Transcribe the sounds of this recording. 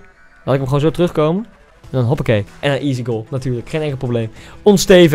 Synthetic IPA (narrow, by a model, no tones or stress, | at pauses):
latɪkəmχooːnzotərɵχkowmən | ɛndɔnɦɔpɪkejʔɛnanʔiziɡolˠnatyːɹləkχejnɛŋkəprowblejmɔnstejv